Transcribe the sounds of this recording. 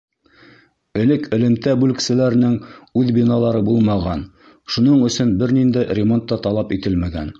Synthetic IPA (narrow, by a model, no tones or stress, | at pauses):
ɘ̆lɘkɘ̆lɘ̆mt̪æbʉlɘ̆ksɘ̆læɾɘ̆nɘŋʉðbinɑlˠɑɾɤbulˠmɑʁɑn | ʃunɤɴɵ̆sɵnbɘɾnind̪æjrʲɪmo̞nt̪ːɑt̪ɑlˠɑpit̪ɘlmæɡæ̰n